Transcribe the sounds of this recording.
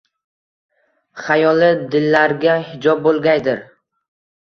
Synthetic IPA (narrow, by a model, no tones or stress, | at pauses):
χajɒlˠɪd̪ɪlːaɾɡʲahɪd͡ʒɒb̚bolˠɡʲajd̪ɪɾ